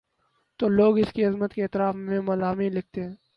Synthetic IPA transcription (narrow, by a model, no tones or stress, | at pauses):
t̪oːloːɡɪskiɐzmət̪keːt̪ɪɾaːfmẽmɐlaːmilɪk̚ʰt̪eɦɛ̃ː